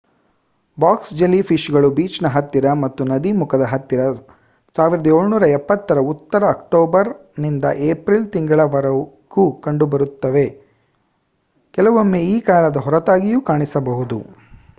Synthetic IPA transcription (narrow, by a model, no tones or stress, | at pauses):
baːksd͡ʒelːipʰiʃɡɐɭubiːt͡ʃnɐɦɐt̪ːiɾɐmɐt̪ːunɐd̪imukʰɐd̪ɐɦɐt̪ːiɾɐ | saːʋiɾɐd̪ɐeːɭnuːɾɐɛpːɐt̪ːɐɾɐut̪ːɐɾɐːkʈoːbɐɾnind̪ɐ̰ʔeːpɾilt̪iŋɡɐɭɐʋɐɾɐ | kukɐɳɖubɐɾut̪ːɐʋe̞ | kɛlɐʋɐmːeːiːkaːlɐd̪ɐɦɔɾɐt̪aːɡijukaːɳisɐbɐɦud̪ṵ